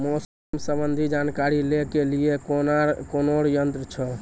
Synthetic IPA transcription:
mos | msəbənd̪ʱid͡ʒankaɾilekelijekonakonoɽjənt̪ɾət͡ʃʰɔ

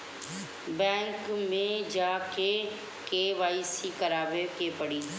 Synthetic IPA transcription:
bɛ̃ːŋkmẽd͡ʒaːke | keʋaːisikəɾaːʋekepəɽiː

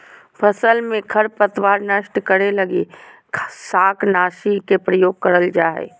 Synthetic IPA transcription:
pʰəsəlmẽkʰəɾpət̪ʋaːɾnəʃʈkəɾeləɡe | saːknaːʃikepɾəjoːɡ̚kəɾəld͡ʒaːɦɛ̰

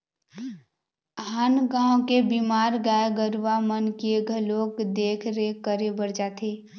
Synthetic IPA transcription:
ɦənɡãːõkebimaːɾɡaeɡəɾʋamənkeeɡʱəloːɡd̪eːkʰɾekəɾebəɾd͡ʒaːt̪ʰeː

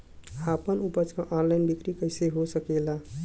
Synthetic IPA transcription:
apənupət͡ʃkãʔɔnlaɪnbikɾikəɪseɦosəkela

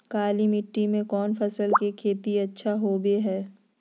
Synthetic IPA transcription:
kaːlimɪʈːimẽkɔːnfʰɐsəlkekʰeːt̪iɐtːʃʰaɦoːbeɦɛː

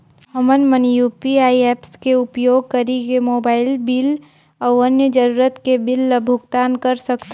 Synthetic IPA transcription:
ɦəmənmənjuːpiaːiɛːpskeʊpjoːɡ̚kəɾikemoːbaːɪlbɪl | ɔːɾənjəd͡ʒəɾuːɾət̪kebɪlːəbʱʊkt̪aːnkəɾsəkt̪ʰ

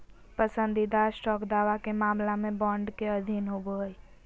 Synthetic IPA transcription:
pəsənd̪id̪asʈɔkd̪aːʋakemãːmlamẽbɔ̃ɳɖkeəd̪ʱinɦoboɦoj

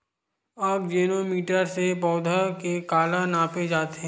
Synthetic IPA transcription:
aːpd͡ʒeːnomiːʈəɾsepɔːd̪ʱakekaːlanaːped͡ʒaːt̪ɦɛ̃

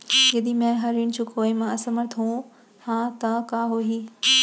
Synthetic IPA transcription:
jɐd̪imɛ̃ɦɐɾiñt͡ɕʰukoːimãɐsɐmɐɾt̪ʰũː | hãːt̪ɐkaːɦoːɦiː

